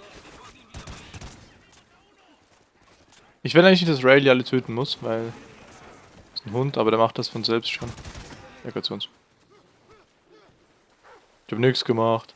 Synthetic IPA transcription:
ʔɪçvɪːdaɪɡŋɪçnɪçtd̥asʁɛɪliʔalətʰøːtn̩mʊsvaɪl | ɪsn̩ɦʊntʔaːbɐɾeɐmaχt̚d̥asfɔnzɛlpstʃoːnʔɛ̰ɐɡɐt͡sʊns | ɪçhaːbənɪksɡ̥əmaχt

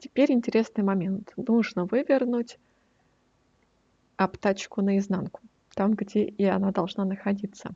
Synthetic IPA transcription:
tʲɪ̥pʲeɾʲɪnʲtʲɪɾʲe̞snɨjmɐmʲe̞nt̪nuʐnəvɨvʲɪrnutʲ | ɐpt̪at͡ɕkʊnəɪznankʊ̥ | t̪amɡdʲeʔɪɐnad̪ɐlˠʐnanəxɐdʲit̪sə̰

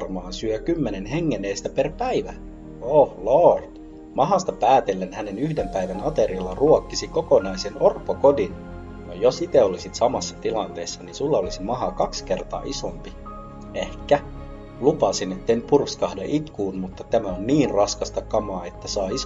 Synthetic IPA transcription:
rmɑːnsyøkymːenenɦeŋːenːeːst̪æperpæiʋæ | ohlort̪ | mɑɦɑst̪ɑpæːt̪elːenhænenyhdempæiʋænɑt̪erilːɑruokːisikokonɑisenorpːokodin | nojosit̪eolisit̪sɑmɑsːɑ̥t̪ilɑnt̪eːsːɑninsulːɑolisimɑɦɑkɑkske̞rt̪ɑ̰ːʔisompi | ehkːæ | lupɑsinet̪ːeinypurkskɑhdeʔit̪kuːnmut̪ːɑt̪æmæonniːnrɑskɑst̪ɑkɑmɑːet̪ːæsɑːis

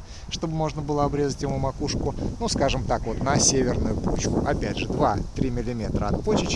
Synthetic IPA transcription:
ʂt̪o̞bɨmo̞ʐnəbɨlˠəɐbɾʲezətʲɪmumɐkuʂkʊnuskaʐɨmt̪akvo̞t̪nɐsʲevʲɪrnʊjʊkut͡ɕkʊ̰ʔɐpʲædʲʐɨd̪vat̪ɾʲimʲɪlʲɪmʲe̞t̪ɾəɐt̪pot͡ɕɪt͡ɕ

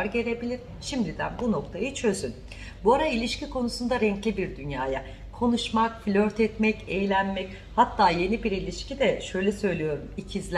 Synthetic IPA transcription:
ɾɟe̞ɾe̞bilʲiɾ̥ | ʃimd̪id̪æ̰nbuno̞kt̪ʰajɯt͡ʃʰø̞zyn | buaɾailʲiʃcikʰo̞nusund̪aɾɛɲclʲibiɾd̪ynjaːja | kʰo̞nuʃmakflʲøɾt̪ʰɛt̪mɛcejlʲænmɛc | hat̪ʰːaːje̞nibiɾilʲiʃcid̪ɛʃø̞jlʲɛsø̞jlʲijo̞ɾumicʰizlʲ

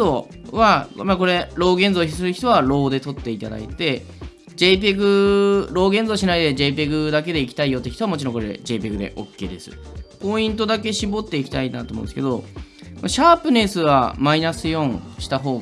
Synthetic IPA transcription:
o | βamako̞ɾe̞ɾo̞ːɡẽnzo̞ːçisɨɾɯçi̥t̪o̞βaɾo̞ːd̪e̞t̪o̞t̪ːe̞it̪ad̪a̰it̪e̞ | d͡ʑe̞p̬ʲeɡɯ̟ɾo̞ːɡẽ̞nd͡zo̞ːɕinaid̪e̞d͡ʑe̞ːp̬ʲeɡɯ̟d̪ak̬e̞d̪e̞ikʲi̥t̪aijo̞t̪eçit̪oamot͡ɕiɾõ̞ŋko̞ɾe̞̰d͡ʑe̞ːpʲeɡɯ̟d̪e̞̰ʔo̞̰kːe̞̰ːd̪e̞sɨ̰po̞ĩnt̪o̞d̪ake̞ɕibo̞t̪ːe̞ikʲi̥t̪ainat̪omõ̰nsɨ̥ke̞d̪o̞ | kɕaːpɯ̟ne̞sɨβamainasɨjõ̞ŋ̃ɕi̥t̪aɦo̞ː

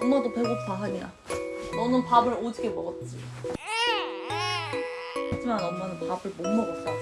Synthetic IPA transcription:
ʌmːʌdopeɡoaɦaɲia̰ | nʌnɯnpabɯɭod͡ʑɯɡemʌɡʌt̚t͡ɕ͈i | ad͡ʑʰimanɯnʌmːʌnɯnpabɯɭmoŋmʌɡʌs͈ʌ

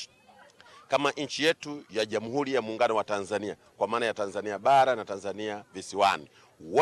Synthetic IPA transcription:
kamaʔɲ̩t͡ʃijɛtujaʄamuɦuɾijamuːŋɡanɔwatanzania | kwamaːnajatanzaniaɓaɾanatanzaniavisiwani | wɔ

